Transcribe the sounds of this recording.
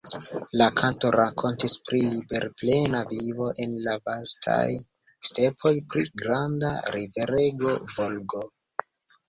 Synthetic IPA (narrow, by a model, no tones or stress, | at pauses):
lakʰanto̞ɾakʰo̞ntispɾilibe̞ɾple̞navivo̞ʔe̞nlavastʰa̰j | ste̞pʰo̞jpɾḭɡɾanda̰ɾive̞ɾe̞ɡo̞vo̞lɡo